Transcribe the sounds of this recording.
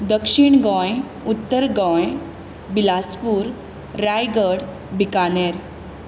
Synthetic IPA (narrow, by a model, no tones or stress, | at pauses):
d̪əkʂiɳɡɔ̃j | ut̪ːəɾɡɔ̃j | bilaspuːɾː | ajɡəɽ | bikaneɾ